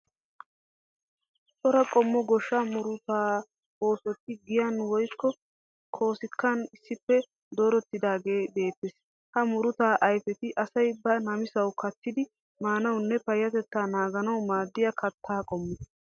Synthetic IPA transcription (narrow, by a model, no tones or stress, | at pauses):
t̪ʼɔɾɐkʼɔmːɔɡɔʃːɐmʊɾʊt̪aː | o̞ːsɔt̪ːɪɡɪjɐnwɔjkːɔ | kʰo̞ːsɪkːɐnɪsːɪpːɛ | d̪o̞ːɾɔt̪ːɪd̪aːɡe̞ːbe̞ːt̪ːes | hɐmʊɾʊt̪aːʔɐjfɛt̪ɪʔɐsɐjbɐnɐmɪsɐwkʰɐt̪ːɪd̪ɪ | maːnɐwnːɛpɐjːɐt̪ɛt̪ːaːnaːɡɐnɐwmaːd̪ːɪjɐkʰɐt̪ʰːaːkʼɔmːɪ